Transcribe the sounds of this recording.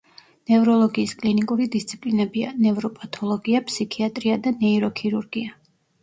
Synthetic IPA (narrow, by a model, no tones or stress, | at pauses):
nɛvɾɔlˠɔɡiːskʼlinikʼuɾid̪ist̪sʰi̥pʼlinɛbia̰nɛvɾɔpʼat̪ʰɔlˠɔɡiapsikʰiat̪ʼɾiad̪anɛiɾɔkʰiɾuɾɡia